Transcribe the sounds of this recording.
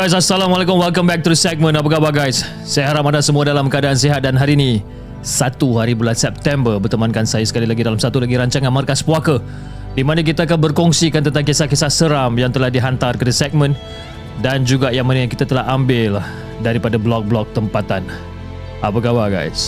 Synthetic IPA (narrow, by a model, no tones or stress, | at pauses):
ɡajs̬asalamalekʊmwɛlkəmbɛk̚t̪uɾəsɛk̚mə̃nap̬əkabaɡajsː | ajaɦaɾapadasəmuadalamkəadaːnseɦat̪̚danɦaɾini | sat̪uɦaɾibulansɛp̚t̪ɛmbərbərt̪əmankansajasə̥kalilaɡidalamsat̪ulaɡiɾaɲt͡ʃaŋanmərkaspuakə | dimanək̬it̪aːkanbərkɔŋsikant̪ənt̪aŋkesakesasəɾamjaŋt̪əlahdiɦant̪arkərdəsɛk̚mə̃n | dand͡ʒuɡajaŋmanəkit̪at̪əlaɦambɪl | daɾipadablɔk̚blɔk̚t̪əmpat̪an | apəɡabaɡa̰js